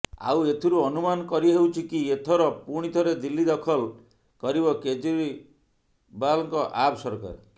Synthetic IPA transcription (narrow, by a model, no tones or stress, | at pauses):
a̰wet̪ʰuɾuɔnumanɔkɔɾiɦewt͡ʃʰikiet̪ʰɔɾɔpuɽ̃it̪ʰɔɾed̪ilːid̪ɔkʰɔl | kɔɾiβɔked͡ʒuɾi | balɔŋkɔʔabsɔɾka̰ɾ